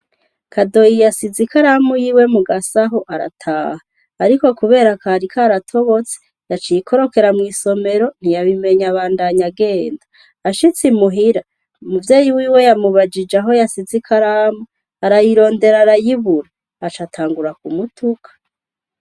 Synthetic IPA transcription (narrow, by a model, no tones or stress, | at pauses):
kʰado̞jijasizikaɾamujiːwe̞muɡasaɦoʔaɾa̰tʰaːhaː | ɾiko̞kuβe̞ːɾakaɾikʰaːɾatʰo̞βo̞t͡se̥ | jat͡ʃijikʰo̞ɾo̞ke̞ɾamŋiːso̞me̞ɾo̞n̥ijaβime̞ɲaβaːndaɲaɡe̞ːndḁ | aʃit͡simuɦiɾa | umuvjeːjiwiːwe̞jamuβad͡ʒid͡ʒaɦo̞jasizikʰaɾamu | aɾajiɾo̞ːnde̞ɾaɾajiβuɾaː | t͡ʃatʰaːŋɡuɾakumutʰukʰḁ